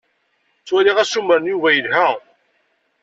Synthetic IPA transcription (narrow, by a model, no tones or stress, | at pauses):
t͡sːwæliʁæsumːəɾnjuvæjəlɦæ